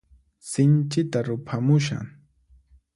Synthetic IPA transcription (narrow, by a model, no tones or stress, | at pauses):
sɪnt͡ʃɪt̪aɾʊpʰamʊʃa̰ŋ